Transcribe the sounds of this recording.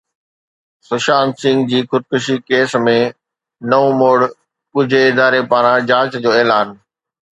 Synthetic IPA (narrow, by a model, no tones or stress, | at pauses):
sʊʃaːnsɪ̃ŋɡd͡ʑiːxʊd̪̚kʊʃikeːsmẽ | nɐõmoːɽ | kʊd͡ʑʱeɪd̪aːɾepaːɾãd͡ʑaːt͡ɕd͡ʑoːeːlaːn